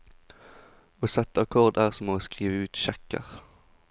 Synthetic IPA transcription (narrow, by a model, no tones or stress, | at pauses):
oːsɛt̪əɑkʰɔʁd̪æːʁsɔmoːskʁiːʋəʉːt̪ʃɛkə̰ʁ